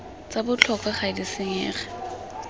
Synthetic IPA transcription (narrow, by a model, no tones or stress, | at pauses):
t͡sabʊt͡ɬʰɔkʰaχaɪdɪsɪŋɛːχɛ̥